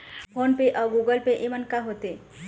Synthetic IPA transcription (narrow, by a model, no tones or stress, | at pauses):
pʰoːnpeʔɔːɡuːɡəlpeʔemənkaɦoːt̪e